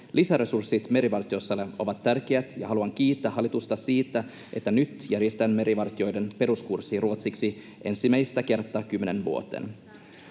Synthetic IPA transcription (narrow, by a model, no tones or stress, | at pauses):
lʔisæɾe̞sursːit̪me̞ɾiʋɑrt̪io̞sːɑlːeʔo̞ʋɑt̪ːærk̟eæt̪jɑ̰ɦɑluɑŋk̟iːt̪ːæhɑlːˑit̪ust̪ɑsiːt̪ːæ | ʔe̞t̪ːænyt̪jæɾjest̪ænme̞ɾʔiʋɑrt̪io̞jde̞npe̞ɾuskursːiruot̪siksi | ʔe̞̰nsimæjst̪æke̞rt̪ːɑkymːenenʋṵot̪ḛn